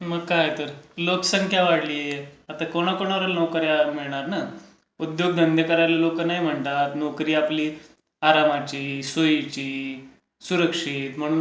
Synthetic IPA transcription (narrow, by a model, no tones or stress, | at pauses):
məɡkaɦet̪əɾlokə̥səŋkʰjaʋaɽliːjeat̪akoɽ̃akoɽ̃aʋəɾəlnɔkəɾjamiɭɳ̃aɾna | ud̪joɡ̚d̪ʱənd̪ʱəkəɾalalokənaɦim̤əɳt̪at̪nɔkɾiːapliː | aɾamat͡ɕiːsojit͡ɕiː | suɾəkʂit̪m̤əɽ̃uːn